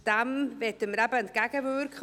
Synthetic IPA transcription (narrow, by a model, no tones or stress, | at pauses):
d̥amvetəmɾabant̪̚ɡ̥aɡavuːrkχ